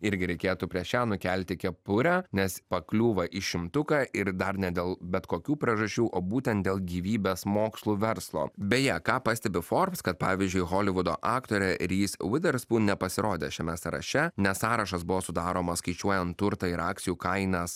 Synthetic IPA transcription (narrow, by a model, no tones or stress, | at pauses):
ɪɾʲɡʲɪɾʲɛɪkʲeːt̪uːpʲɾʲiɛʃʲæːnʊkʲɛlʲt̪ʲɪkʲɛpʊɾʲænʲɛspɐklʲuːʋɐʔɪʃʲɪmt̪ʊkɑːʔɪɾd̪ɐɾnʲɛd̪ʲeːlˠbʲɛt̪koːkʲuːpʲɾʲiɛʒɐʃʲt͡ʃʲuːʔoːbuːt̪ʲɛnt̪̚d̪ʲeːlˠɡʲiːʋʲiːbʲeːsmoːkslˠuʋʲɛɾslˠo̰ːbʲejɛkɑːpɑsʲt̪ʲɛbʲɪfoːɾpskɐt̪̚pɑːʋʲizʲd͡ʒʲʊɪɣoːlʲɪʋʊd̪o̰ːʔɑːkt̪oːɾʲɛɾʲiːswɪd̪ʲɛɾspuːnʲɛpɐsʲɪɾoːd̪ʲeːʃʲɛmʲɛsɐɾɐ̰ʃʲɛnʲɛssɑːɾɐʃɐsbʊʋoːsʊd̪ɑːɾoːmɐskɐɪt͡ʃʲuɔjɛnt̪ːʊɾt̪ɐɪɾɑːk̪̚sʲɪjuːkɐɪnɐs